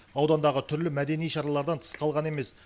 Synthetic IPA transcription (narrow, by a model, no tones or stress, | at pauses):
ɑwd̪ɑnd̪ɑʁət̪ʰʏɾlɪmæd̪e̞nijʃɑɾɑlˠɑɾd̪ɑnt̪ʰə̥sqʰɑlˠʁɑne̞me̞s